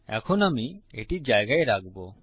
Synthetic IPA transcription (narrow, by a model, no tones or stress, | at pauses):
ɛ̰kʰɔnamieʈid͡ʒajɡaeɾaɡbo